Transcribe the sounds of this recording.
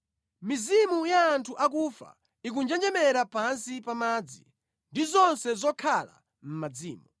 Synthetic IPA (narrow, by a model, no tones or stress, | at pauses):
mizimujaːntʰuʔak̬uːfa̰ | ik̬und͡ʒɛnd͡ʒɛmɛɾapansipamaːd͡zḭ | ndizɔnsɛzɔkʰala̰ | m̩mad͡ziːmu